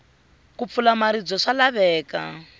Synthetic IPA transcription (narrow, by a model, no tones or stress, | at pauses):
kup̪fulamaɾid͡zɔʂalaβɛːka̰